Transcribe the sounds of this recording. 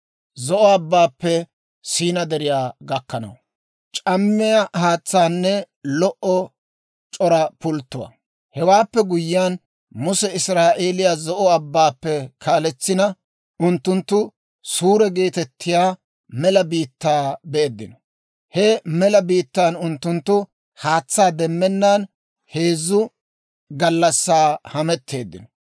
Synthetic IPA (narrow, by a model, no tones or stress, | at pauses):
zɔʔɔɐbːaːpːɛ | siːnɐd̪ɛɾɪjaːɡɐkːɐnɐ̰w | t͡ʃʼɐmːɪjɐhaːt͡sːaːnːɛ | lɔʔɔ | t͡ʃʼɔɾɐpʊlt̪ːʊwa̰ | hɛwaːpːɛɡʊjːɪjaːn | mʊsɛɪsɾaːʔeːlɪjazɔʔɔɐbːaːpːɛkʰaːlɛt͡sːɪnɐ | ʊnt̪ːʊnt̪ːʊ | suːɾɛɡe̞ːt̪ɛt̪ːɪjaː | mɛlɐbiːt̪ːaːbeːd̪ːɪnɔ | hɛmɛlɐbiːt̪ːaːnʊnt̪ːʊnt̪ːʊ | haːt͡sːaːd̪ɛmːɛnːan | heːzːʊ | ɡɐlːɐsːaːhɐmɛt̪ʰːe̞ːd̪ːɪnɔ